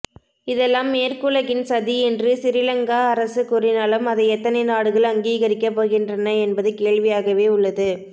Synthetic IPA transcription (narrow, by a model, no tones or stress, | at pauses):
ɪðɛlːaːmːeːɾkʊɭɐɣɪnsɐðiɛndrɯsɪɾɪlɐŋɡaːɐɾɐsɯkʊrɪnaːlɯmɐðɐɪɛt̪ːɐnɐɪnaːɽɯɣɐɭɐŋɡiːɣɐɾɪkːɐp̬ːoːɣɪndrɐnɐɛnbɐðɯkeːɻʋɪjaːɣɐʋeːʊɭːɐðɯ